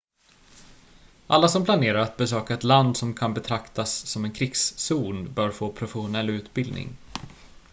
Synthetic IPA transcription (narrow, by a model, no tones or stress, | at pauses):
ʔalːasɔmpʰlaneːɾaɾat̪̚bɛsøːkaɛt̪land̪sɔmkʰanbɛt̪ʰɾakt̪asːɔmɛnkʰɾɪksːuːnbœːɾfoːpʰɾʊfɛɧʊnɛlːʉ̟ːt̪bɪld̪nɪ̰ŋ